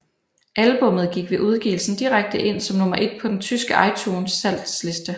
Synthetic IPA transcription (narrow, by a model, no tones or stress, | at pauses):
ʔælb̥ɔ̽m̰ð̩ˠɡ̥iɡ̥ʋe̝ʔuð̞ˠɡ̥ḭːl̩sn̩d̥iʁaɡ̥̚d̥əʔe̝n̰sɒ̽mnomɐʔe̝d̥̚pʰɒ̽d̥ent͡sʰysɡ̥əʔɑ̈ɪt͡sʰuːnsːæl̰d̥sle̝sd̥ə